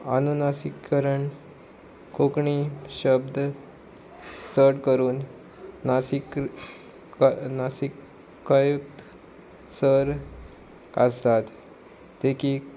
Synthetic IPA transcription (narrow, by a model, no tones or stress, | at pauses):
a̰nunasikːəɾəɳ | kʰokɳiɕəbd̪ʱ | t͡səɽkəɾuːnː | asik | nasikː | əjuk̚t̪ | səɾ | ast̪at̪ː | eki